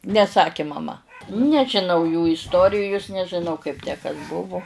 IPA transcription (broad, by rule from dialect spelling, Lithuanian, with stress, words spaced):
nʲɛˈsɑːkʲeː mɐˈmɐ nʲɛʒʲɪˈnɐʊ juː ɪsˈtoːrʲɪjʊs nʲɛʒʲɪˈnɐʊ kɐɪp tʲæː ˈkɐs ˈbʊʋʊ